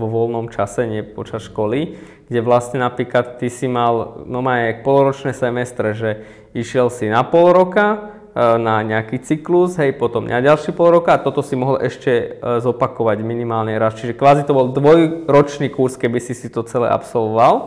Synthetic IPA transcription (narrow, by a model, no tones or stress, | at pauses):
ʋɔʋɔlnɔmt͡ʃasɛɲɪɛpɔ̰t͡ʃasʃkɔli | ɡ̥ɟɛʋlastɲɛnapɾiːklat̪ːisimalnɔmajk̚pɔlɾɔt͡ʃnɛːsɛmɛst̪ɾɛʒɛ | iʃɪɛlsinapɔlɾɔka | naɲɛakit͡sikluzɦɛjpɔt̪ɔmɲʔaɟalʃipɔlɾɔkaːt̪ɔt̪ɔsimɔɦɔlʔɛʃcɛzɔpakɔʋaɟminimaːlɲɛɾast͡ʃiʒɛkʋaːzit̪ɔbɔlˠd̪ʋɔjɾɔt͡ʃniːkuɾskɛbisisit̪ɔt͡sɛlɛ̰ʔa̰psɔlʋɔʋal